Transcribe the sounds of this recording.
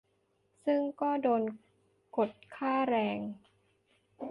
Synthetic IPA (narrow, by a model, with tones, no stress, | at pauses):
sɯ˥˩ŋkɔː˥˩doː˧n | ko˨˩t̪̚kʰaː˥˩ɾɛː˧ŋ